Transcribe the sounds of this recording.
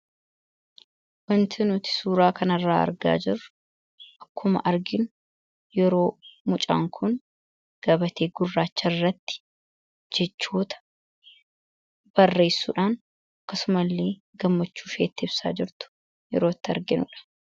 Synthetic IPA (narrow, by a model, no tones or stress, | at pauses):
wɐnt̪ʰɪnʊt̪ɪ̥suːɾaːkɐnɐrːaːɐ̰ɾɡa̰ːd͡ʒɪrːʊ̥ | ʔɐkːʊmɐ̰ʔɐɾɡɪnʊ | jɛɾo̞ːmʊt͡ʃʼa̰ːŋkʰʊn | ɡ̥ɐbɐt̪ʰe̞ːɡʊrːaːt͡ʃːɐrːɐt̪ːɪ̥ | d͡ʒɛt͡ʃːuːt̪ɐ̥ | b̥ɐrːe̞ːsːṵːᶑaːn | ɐkːɐsʊmɐlːeː | ɡɐmːɐt͡ʃːuːʃeːt̪ːɪɪbsa̰ːd͡ʒɪɾt̪ʊ̥ | jɛ̰ɾo̞ːt̪ːɪɐ̰ɾɡɪnʊᶑɐ̥